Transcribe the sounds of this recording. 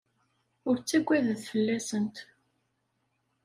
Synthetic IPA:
ʊɾt͡sːæɡʷːæðəðfəlːæsənt̪

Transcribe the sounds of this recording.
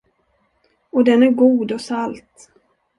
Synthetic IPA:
ɔd̪ɛnæɾɡuːd̪ɔsalt̪

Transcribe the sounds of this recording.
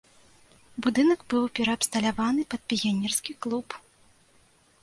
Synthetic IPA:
bud̪ɨnɐkbɨwpʲɛɾɐɐpst̪ɐlʲavanɨpɐt̪̚pʲijʲanʲɛrskʲiklˠup

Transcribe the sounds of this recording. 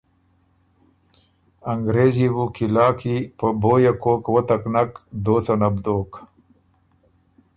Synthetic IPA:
ɐŋɡɾeːziwukilaːkipəboːjakoːkwət̪ɐknakd̪oːt͡sanɐbd̪oːk

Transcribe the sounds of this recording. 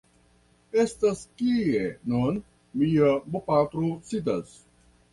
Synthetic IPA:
est̪ɐskiːenoːn | mijɐbopaːkɾosid̪ɐs

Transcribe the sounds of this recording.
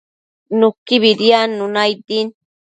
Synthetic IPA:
nukːiβiɾianunajd̪in

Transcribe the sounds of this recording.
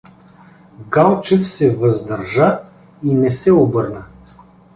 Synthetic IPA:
ɡalˠt͡ʃɛfsɛvɐzd̪ɐɾʒa | inɛsɛobɤɾnə

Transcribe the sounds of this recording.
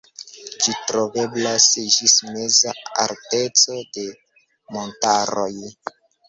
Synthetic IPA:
d͡ʒitɾo̞veblasd͡ʒismezaa̰ɾte̞t͡so̞de̞ | montaɾoj

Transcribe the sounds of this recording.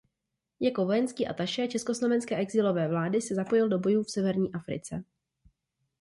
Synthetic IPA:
jako̞vo̞jɛnskiːʔa̰t̪aʃɛːt͡ʃɛsko̞slo̞vɛnskɛːʔɛɡzɪlo̞vɛːvlaːdɪsɛzapo̞jɪldo̞bo̞juːfsɛvɛɾɲiːʔafɾɪ̰t͡sɛ

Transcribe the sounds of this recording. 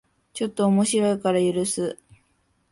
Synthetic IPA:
t͡ɕo̞t̪ːo̞ːmo̞ɕiɾo̞ikaɾajɯ̟ɾɯ̟sɨ

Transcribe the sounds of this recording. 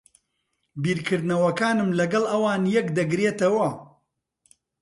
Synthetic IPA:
biːɾkʰɨɾd̪nɐwɐkaːnɨmlɐɡɐlˠɐwaːnjɐkd̪ɐɡɾeːt̪ɐwɐ

